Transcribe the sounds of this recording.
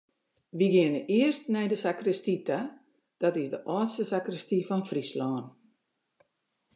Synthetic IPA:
ʋiɡiənəʔɪərstnɛjdəsakrəstita | d̥ɔtɪsdəʔɔːtstəsakrəstifɔnfrislɔːn

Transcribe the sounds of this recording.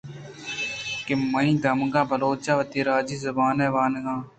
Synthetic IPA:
kɪməĩːd̪əmɡãːbʱəloːt͡ʃaːʋət̪iːɾaːd͡ʒiːzʊbaːnɛːʋaːnɡãː

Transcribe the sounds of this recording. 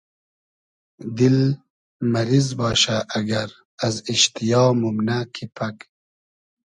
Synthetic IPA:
d̪il | mɐɾizbɑːʃaʔːɡaɾ | aziʃt̪ijɑːmumnakʰipʰak

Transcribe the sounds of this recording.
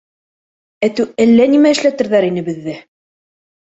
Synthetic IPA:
æt̪ʉælːænimæɘ̆ʃlæt̪ɘ̆ɾðæɾinɘbɘ̆ðːɘ

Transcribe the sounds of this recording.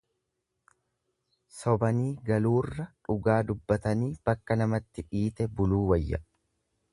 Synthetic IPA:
sɔbɐniːɡɐluːrːɐᶑʊɡaːd̪ʊbːɐt̪ɐniːb̥ɐkːɐnɐmɐt̪ːɪᶑiːt̪ɛbʊluːwɐjːɐ

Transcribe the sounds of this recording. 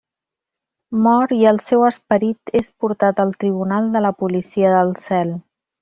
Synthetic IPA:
mɔɾiəlˠsɛwəspəɾit̪espuɾt̪at̪əlˠt̪ɾiβ̞unalˠd̪ələpulisiəðəlˠsɛlˠ

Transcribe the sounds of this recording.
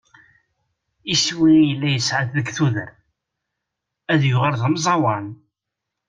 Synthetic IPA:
iswijəlːæjəsʕaθðəɡθuðəɾ | æðjʊʁəlðəmzˤɑwɑn

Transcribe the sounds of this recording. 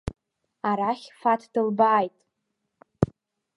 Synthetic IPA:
aɾaχʲfatʰd̥ɨlbaːjtʼ

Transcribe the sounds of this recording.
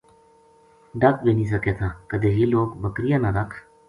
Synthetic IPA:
ɖak̚benis̬əket̪ʰakəd̪eɦiːloːkbəkɾijanad̪akʰ

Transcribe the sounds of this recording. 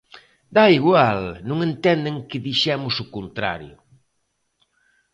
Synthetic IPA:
d̪aiɣwalnũŋẽnt̪ɛnd̪eŋkɪðiʃɛmʊsʊkont̪ɾa̰ɾjʊ̰

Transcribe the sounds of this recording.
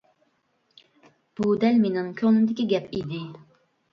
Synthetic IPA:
b̥ud̪ɛlmenɨŋkʲʰøŋnymd̪ɪkʲiɡʲɛpʰid̪ɪ

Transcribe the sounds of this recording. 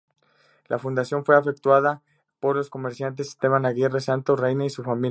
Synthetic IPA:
lʔafund̪asjo̞nfwe̞afe̞k̚t̪waða | po̞ɾlo̞sko̞meɾsjant̪̬e̞si̥st̪eβanaɣje̞resant̪orejnaisufamil

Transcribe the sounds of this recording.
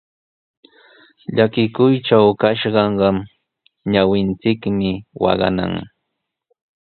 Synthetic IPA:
ʎakɪkʊjʈ͡ʂawkaʃɢɑɴɢɑm | ɲawɪnt͡sɪkmɪwɑ̰ɢɑ̰na̰ŋ

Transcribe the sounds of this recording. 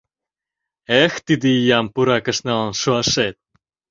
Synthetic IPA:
ext̪id̪ijɑmpuɾɑkə̆ʃnɑlnʃuɑʃet̪̚

